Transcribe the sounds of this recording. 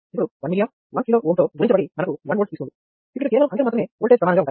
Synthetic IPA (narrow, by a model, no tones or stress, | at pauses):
ipːuɽuʋɐnmilijaːm | ʋa̰ːkliloːʔoːɳʈoːɡuɾiɲt͡ʃɐbɐɽimɐnɐkuʋɐnoːst̪iːskund̪i | ikːɐɽukɛːʋɐɭɐmɐɳʈɐɾmaːt̪ɐme̞ːoːɭʈepɾɐd̪anɐŋɡaːuɳːʈaː